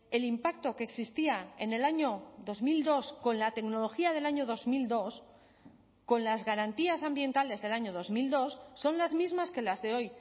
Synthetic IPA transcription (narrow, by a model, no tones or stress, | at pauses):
e̞limpak̚t̪o̞keksist̪iaene̞laɲo̞ðo̞zmild̪o̞sko̞nlat̪e̞kno̞lo̞xiað̞e̞laɲo̞ð̞o̞zmild̪o̞s | ko̞nlazɣaɾant̪iasambje̞nt̪ale̞zðe̞laɲoð̞o̞zmild̪o̞sːo̞nlazmizmaske̞lazðe̞o̞j